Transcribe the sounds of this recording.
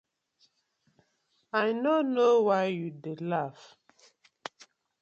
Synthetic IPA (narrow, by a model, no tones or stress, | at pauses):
ajnonowajjudelaf